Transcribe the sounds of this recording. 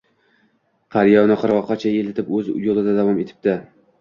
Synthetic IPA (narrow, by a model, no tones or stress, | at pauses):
qʰɑɾjɒwnɪqʰɨɾɒqʰːɑt͡ʃʰaelɪt̪ʰɪpɵzjolˠɪd̪ad̪avɒme̞t̪ʰɪ̥p̚d̪ɪ